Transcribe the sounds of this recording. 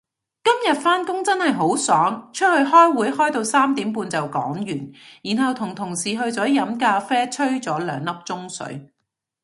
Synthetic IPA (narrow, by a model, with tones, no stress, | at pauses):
kɐ˥mjɐ˨t̚faː˥nkʊ˥ŋt͡sɐ˥nhɐ˨jɦo˨˥wsɔː˨˥ŋt͡ʃʰɵ˥t̚hɵ˧ɥɦɔː˥jwuː˨˥jhɔː˥jt̪o˧wsaː˥mt̪iː˨˥mpuː˧nt͡sɐ˨wkɔ̰ː˨˥ŋjyː˨˩njiː˨˩nɦɐ˨wt̪ʰʊ˨˩ŋt̪ʰʊ˨˩ŋsiː˨ɦɵ˧ɥt͡sɔː˨˥jɐ˨˧˥mkaː˧fɛː˥t͡ʃʰɵ˥ɥt͡sɔː˨˥lœː˨˧ŋlɐ˥p̚t͡sʊ˥ŋsɵ̰˨˥ɥ